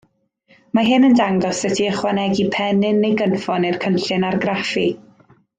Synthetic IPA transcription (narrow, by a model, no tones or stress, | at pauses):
maɦɪnəndaŋɡɔsətʰiəχwanɛɡipʰɛnɪnːejɡənfɔnirkʰənɬɨnarɡrafi